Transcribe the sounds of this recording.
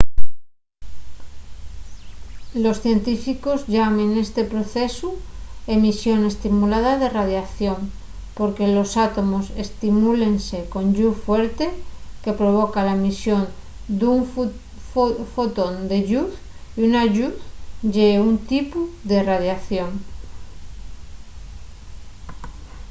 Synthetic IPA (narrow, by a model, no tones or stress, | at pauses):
lo̞sθje̞nt̪ifiko̞zʝamẽne̞st̪e̞pɾo̞θe̞suemisjo̞ne̞st̪imulað̞aðe̞raðjaθjo̞ŋ | po̞ɾke̞lo̞sat̪o̞mo̞se̞st̪imule̞nse̞ko̞nɟ͡ʝufweɾt̪e̞ke̞pɾoβ̞okalamisjo̞n | d̪uŋf | fot̪ond̪e̞ʝuθ | iunaʝuθʝeunt̪ipuðerað̞jaθjo̞ŋ